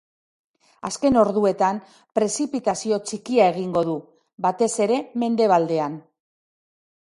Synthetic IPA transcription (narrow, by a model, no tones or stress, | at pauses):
aske̞no̞ɾðue̞t̪am | pɾe̞sipit̪asio̞t͡ʃikiae̞ɣ̞iŋɡo̞ðu | bat̪e̞se̞ɾe̞me̞nd̪e̞β̞ald̪e̞an